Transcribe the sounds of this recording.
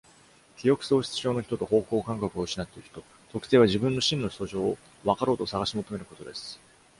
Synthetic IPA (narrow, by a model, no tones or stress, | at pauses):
kʲijo̞kɯ̟̥so̞ːɕi̥t͡sɨ̥ʑo̞ːno̞çi̥t̪o̞t̪o̞ho̞ːko̞ːkãŋkakɯ̟oɯ̟ɕinat̪ːeɾɯ̟çi̥t̪o̞ | t̪o̞kɯ̟t̪e̞ːβ̞aʑibɯ̟̃nːo̞ɕĩnːoso̞ːʑo̞ː | βakaɾo̞ːt̪o̞saɡaɕimo̞t̪o̞me̞ɾɯ̟ko̞t̪o̞d̪e̞sɨ̥